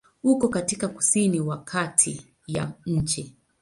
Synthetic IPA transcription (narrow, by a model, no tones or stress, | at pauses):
ukɔkatikaku̥siniwakʰatʰi | ja̰ɲ̩t͡ʃɛ